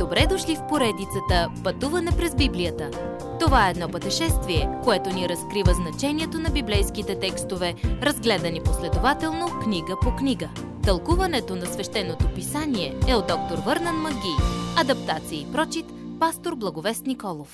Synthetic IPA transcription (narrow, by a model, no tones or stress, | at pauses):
d̪̥obɾɛd̪oʃlifpoɾɛd̪it̪sət̪əpɐt̪uvənɐpɾɛzbiblijət̪ə | t̪ovaɛːd̪nɔpət̪ɛʃɛst̪viɛkoɛt̪oniɾɐskɾivəznɐt͡ʃɛniɛt̪onɐbiblɛjskit̪ɛt̪ɛkst̪ovɛɾɐzɡlɛd̪ɐniposlɛd̪ovat̪ɛlˠnokniɡəpokniɡə | t̪ɐlˠkuvɐnɛt̪onɐsvɛʃt̪ɛnːot̪opisanʲiɛɛod̪ɔk̚t̪oɾvɤɾnənmɐɡʲiɐd̪ɐpt̪at̪siiipɾɔt͡ʃit̪past̪oɾblˠɐɡovɛst̪nikɔlˠof